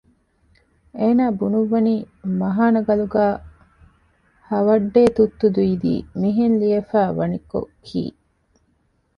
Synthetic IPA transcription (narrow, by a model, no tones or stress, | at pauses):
eːnaːbunuʋːɐniː | mɐɦaːnɐɡɐluɡæː | hɐʋɐɖːeːt̪ut̪ːud̪uid̪ḭːmiɦenliɐfæːʋɐniko̰kʰḭː